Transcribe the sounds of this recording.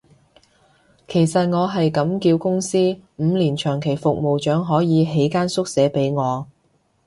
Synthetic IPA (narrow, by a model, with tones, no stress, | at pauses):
kʰe˨˩jsɐ˨t̚ŋɔː˨˧ɦɐ˨jkɐ˨˥mkiː˧wkʊ˥ŋsiː˥m̩ː˨˧liː˨˩nt͡ʃʰœː˨˩ŋkʰe˨˩jfʊ˨k̚mo˨wt͡ʃœː˨˥ŋɦɔː˨˥jiː˨˧ɦe˨˥jkaː˥nsʊ˥k̚sɛː˨˥pe˨˥jŋɔː˨˧